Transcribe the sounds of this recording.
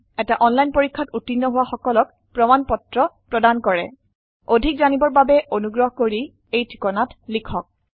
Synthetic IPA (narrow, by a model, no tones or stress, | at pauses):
ɛtaʔɔnlajnpoɹikʰːatutːinːɔɦʊwaxɔkɔlɔk̚ | pɹɔmanpɔtɹɔpɹɔdankɔɹɛ̰ | odʱikzanibɔɹbabɛʔonuɡɹɔɦɔkoɹi | ejtʰi̥kɔnatlikʰɔk̚